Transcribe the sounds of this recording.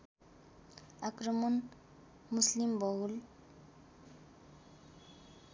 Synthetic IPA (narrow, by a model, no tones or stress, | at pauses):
akrɔmɔn | muslimbɔwul